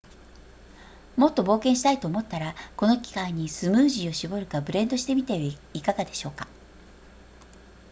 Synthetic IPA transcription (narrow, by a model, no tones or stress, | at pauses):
mo̞t̪ːo̞bo̞ːkẽ̞ɰ̃ɕi̥t̪ait̪o̞ːmo̞t̪ːaɾako̞no̞kʲi̥kãɲ̟isɨmɯ̟ːʑio̞ɕibo̞ɾɯ̟kabɯ̟ɾẽ̞nd̪o̞ɕi̥t̪e̞mʲit̪eikaɡad̪e̞ɕo̞ːkḁ